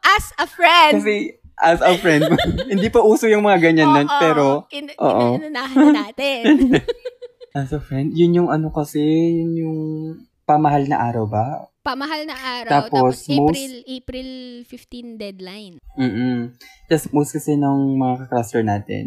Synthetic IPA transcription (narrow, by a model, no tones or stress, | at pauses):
ʔɐsɐfɹɛndkɐsɛ | ʔɐsɐwfɹɛnd̪̚mhɪnd̪iːpɐʔuːsojʊŋmɐŋaɡɐɲanːonpɛːɾo̞ʔo̰ːʔonnaat̪ɛ | ʔɐsɐfɹɛnd̪jʊnjʊŋɐnokɐsɛjʊnjʊŋ | pɐmɐɦalnɐʔaːɾɐwbɐpɐmɐhalɐaːɾt̪aːpo̞smowspɾilfɪft̪ind̪ɛd̪lajnm̩ː | d͡ʒ̪ɐsmowst̪̚kɐsɛnɐŋmɐŋakɐkɾast̪ɛɹnaːt̪ɛ̰n